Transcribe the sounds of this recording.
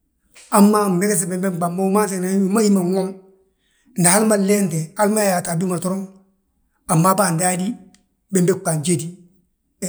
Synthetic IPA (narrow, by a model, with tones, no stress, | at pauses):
a˦mːa˦m˨e˦ke˦s̬e˨bɛ˨mbe˦mk͡pa˨mːo˦u˦ma˦ns̬e˨na˨˦u˦˨ma˦hi˦ma˨ŋo˦ŋ | nda˨ha˦lma˦le˦nte˨a˦lma˦ja˨ta˨du˦ma˨tɔ˦ɾo˦ŋ | a˨mːa˦ba˦˨nda˦di˦ | be˦mbe˦k͡pa˨nd͡ʒe˦di˨